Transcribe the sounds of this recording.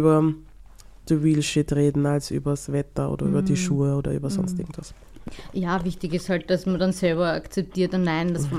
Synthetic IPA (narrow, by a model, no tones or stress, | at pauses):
bɐ | d̥əwiːlʃɪtʁeːdn̩alsʔy̰ːbɐsvɛtɐʔo̰ːdɐy̰ːbɐdiʃuːəoːdɐ̰ʔy̰ːbɐsɔnstʔɪɐɡŋ̩tv̥as | jaːvɪçtɪçɪsthalt̚d̥asmɐdansɛlbɐakt͡sɛp̚tiːɐtnnaɪnd̥ɐsf